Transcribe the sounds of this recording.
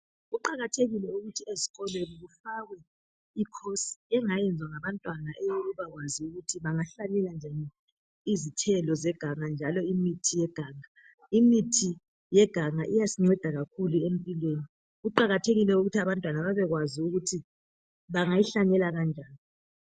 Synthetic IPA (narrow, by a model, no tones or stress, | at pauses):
ɣuǃaɣatʰeɣilɛuɣutʰieziɣɔlweliɣufaɣwɛ | ikʰosi̥ɛŋajɛnd͡zʱwaŋaβantʼwanaʔɛjoɣuβaɣwaziuɣutʰiβaŋaɬaɲɛland͡ʒʱanɛ | izitʰɛlɔzɛɡ̥ʱaŋand͡ʒʱalɔimitʰijɛɡ̥ʱaːŋa | imitʰi | jɛɡ̥ʱaŋaʔijasiŋ͡ǀɛd̥ʱaɣakʰuluempʼilweːni | ɣuǃaɣatʰeɣilɛuɣutʰiaβantʼwanaβaβɛɣwaziuɣutʰi | βaŋajiɬaɲɛlaɣand͡ʒʱaːni